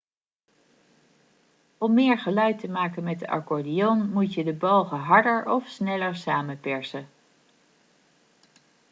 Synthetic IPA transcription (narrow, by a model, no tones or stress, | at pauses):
ɔmːɪːɹχəlœɥtəmaːkənmɛt̚dəʔɑ̰ɹkɔɹdijonmutjədəbɑwˠχəɦɑɹdəɹɔfsnɛləɹsaːmənpɛɹsə